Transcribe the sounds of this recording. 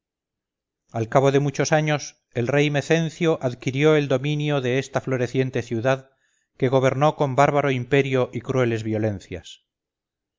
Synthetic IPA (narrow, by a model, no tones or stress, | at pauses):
alkaβ̞o̞ðe̞mut͡ʃo̞saɲo̞s | elre̞jmeθe̞nθjoʔaðkiɾjo̞e̞ld̪o̞mĩnjo̞ðe̞est̪aflo̞ɾe̞θje̞nt̪e̞θjuðað | ke̞ɣ̞oβ̞e̞ɾno̞ko̞mbaɾβaɾoimpe̞ɾjoʔikɾue̞le̞zβjo̞le̞nθja̰s